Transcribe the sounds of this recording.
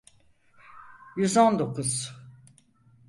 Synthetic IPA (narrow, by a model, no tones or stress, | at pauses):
jyzond̪o̞kʰuz̥